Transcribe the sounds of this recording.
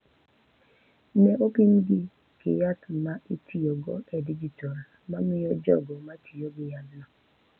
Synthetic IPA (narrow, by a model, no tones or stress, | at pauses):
nɛʔopimɡɪ | kɪ̰jatmaitʰiɔɡɔ̰ɛdid͡ʒitɔl | mamɪjɔd͡ʒɔ̰ɡɔmatʰijɔɡɪjadnɔ